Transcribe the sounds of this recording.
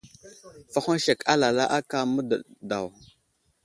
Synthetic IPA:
fa˦xa˦nʃa˨ka˦la˨la˦ʔa˦ka˦mə˦də˨da̰˨w

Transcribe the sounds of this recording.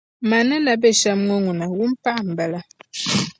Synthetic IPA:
ma˨na˦na˨be˦˨ʃa˦mŋo˦ŋu˨na˨wu˦m˦pa˦˨m̩˨ba˨la˨

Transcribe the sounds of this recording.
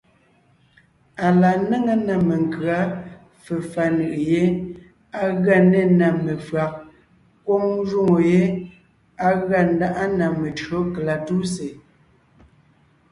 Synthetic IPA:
a˨la˨nə˦ŋə˦na˨me˨ŋ˨kɰa˦ | fə˨fa˨nɯ˨ʔe˨je˦ | a˦ɣa˦˨ne˦na˨me˨fɰa˨k̚ | kwɔ˦ŋ˦ʒu˦ŋo˨je˦ | a˦ɣa˦˨n̩˦da˦ʔa˦na˨me˨t͡ʃɰo˨˦kla˨tu˦se˨

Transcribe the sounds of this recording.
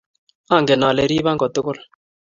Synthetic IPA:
a˦˨ŋɡɛ˨na˨lɛ˨ɾi˦βa˦ŋɡɔ˨t̪ʊ˦kʊ˦l

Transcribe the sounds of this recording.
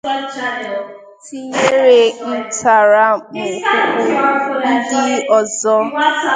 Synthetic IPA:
tʰi˨ŋe˦ɾe˨n̩˦tʰa˨ɾa˦mo˨ko˦ko˦n̩˦dɪ˦ɔ˨zɔ˦

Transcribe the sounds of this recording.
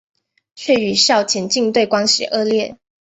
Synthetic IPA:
t͡ɕʰɥɛ˥˩y˨˩ɕjɑ˥˩ʊt͡ɕʰjɛ˧˥nt͡ɕi˥˧ŋt̪we˥˩ɪkwa˥ŋɕḭ˨˩ʔɤ˥˧ljɛ˥˩

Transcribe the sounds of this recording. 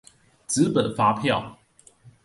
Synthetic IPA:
t͡sɹ̩˧˥pə˨˩nfa˥pʰjɑ˥˨˩ʊ

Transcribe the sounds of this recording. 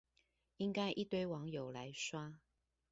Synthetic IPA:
i˦˥ŋka˥ɪʔi˥˨t̪we˥ɪwɑ˨˦ŋjo˨˩ʊla˨˦ɪswa˥

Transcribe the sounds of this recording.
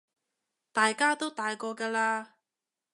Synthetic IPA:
t̪aː˨jkaː˥t̪o˥wt̪aː˨jkɔː˧kaː˧laː˧

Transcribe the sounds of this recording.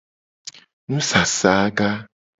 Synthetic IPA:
nũ˦sa˨saː˨˦ɡa˦

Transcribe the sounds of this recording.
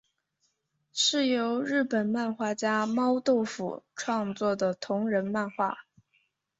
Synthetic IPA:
ʂɻ̩˥˩jo˧˥ʊɻɻ̩˥˩pə˨˩nma˥˧nxwa˥˩t͡ɕja˥mɑ˥ʊt̪o˥˩˧ʊfṵ˨˩ʈ͡ʂʰwɑ˥˧ŋt͡swɔ˥˩d̪ə˩t̪ʰʊ˧˥ŋɻə˧˥nma˥˧nxwa˥˩

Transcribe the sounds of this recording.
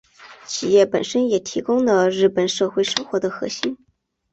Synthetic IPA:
t͡ɕʰi˨˩jɛ˥˩pə˨˩nʂə˥njɛ˨˩t̪ʰi˧˥kʊ˥ŋlə˨ɻɻ̩˥˩pə˨˩nʂɤ˥˧xwe˥˩ɪʂɤ˥ŋxwɔ˧˥d̪ə˧xɤ̰˧˥ɕi˥n

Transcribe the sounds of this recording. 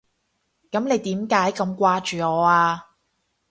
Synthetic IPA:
kɐ˨˥mne˨˧jt̪iː˨˥mkaː˨˥jkɐ˧mkʷaː˧t͡ʃyː˨ɔː˨˧aː˧

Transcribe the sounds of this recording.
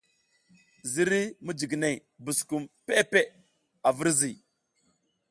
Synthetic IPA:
zi˦ɾi˦mu˦d͡ʒi˨ɡne˨ | bu˨sku˨mpe˦pe˦ | a˨vi˦ɾzi˨

